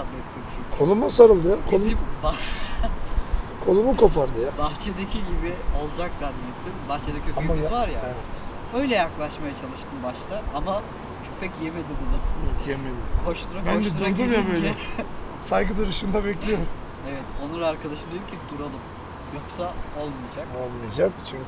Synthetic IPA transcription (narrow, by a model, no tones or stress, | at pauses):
anːɛt̪ʰːimt͡ʃʰykʰonumasaɾɯlˠd̪ɯjakʰoba | kʰo̞nˠumukʰo̞pʰaɾd̪ɯjabaxt͡ʃʰed̪ecʰiɟibio̞lˠd͡ʒakz̥anːɛt̪ʰːimbaxt͡ʃʰe̞d̪ɛcʰøfejimizvaɾjaevɛt̪ø̞jlʲɛjaklˠaʃmajat͡ʃʰalˠɯʃt̪ʰɯmbaʃt̪ʰaama | t͡ʃʰøpʰɛcjeme̞d̪ibunujokjemelʲikʰo̞ʃt̪ʰuɾabænobʃiduuɾad̪umjabøjlɛ | sajɡɯd̪uɾɯʃɯnd̪abɛc̬lʲijoɾum | evɛt̪o̞nuɾaːɾkʰad̪aʃɯmd̪eiɾcʰʲid̪uɾalˠɯm | jo̞ksao̞lˠmijad͡ʒakolˠmijad͡ʒakt͡ʃʰy